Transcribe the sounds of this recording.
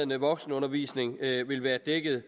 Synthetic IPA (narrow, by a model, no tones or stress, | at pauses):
ənəʋɒ̽ɡ̥snəɔ̽nɐʋḭːsne̝ŋʋe̝lʋæːɐd̥eɡ̥əð̞̩ˠ